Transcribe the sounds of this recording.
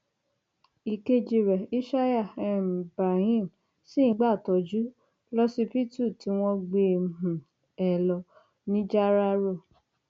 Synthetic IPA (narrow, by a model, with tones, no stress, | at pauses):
i˨ke˧d͡ʒi˧ɾɛ˨i˦ʃa˦ja˦˨ɛ˧˨m˨bɾa˨hĩ˦˨m | sĩ˦˨˦ɡ͡ba˦˨tɔ˨˦d͡ʒu˦ | lɔ˦si˧pi˦˨tu˦˨ti˨˧˦w̃ɔ̃˧ɡ͡be˧˦ɦũ˨ | ɛ˨lɔ˧ | nĩ˦d͡ʒa˦ɾa˦ɾo˦˨